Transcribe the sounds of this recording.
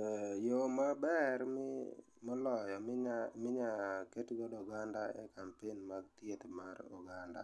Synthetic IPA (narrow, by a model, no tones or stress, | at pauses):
jomabɛrmɪ | mɔlɔjɔmɪɲaketɡɔdɔɡandaḛkampenmaɡ̚t̪jet̪marɔ̰ɡanda̰